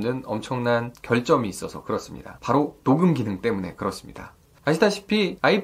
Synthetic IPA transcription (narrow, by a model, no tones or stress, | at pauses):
nɯnʌmt͡ɕʰʌŋnankjʌɭt͡ɕ͈ʌmiːs͈ʌsʰʌkɯɾʌs͈ɯmɲḭda̰paɾotoɡɯmɡinɯŋt͈e̞mune̞kɯɾʌs͈ɯmɲḭda̰ | aɕʰitaɕʰi̥pʰiai